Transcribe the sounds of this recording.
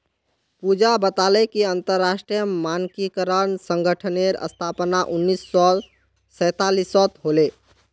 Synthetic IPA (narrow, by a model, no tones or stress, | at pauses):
pud͡ʒabət̪alɛkiənt̪əɾːasʈɾijəmankikəɾənsəŋɡəʈʰəneɾə̰st̪ʰapnaʔunːisːɔ | səjt̪alisːɔt̪ɦole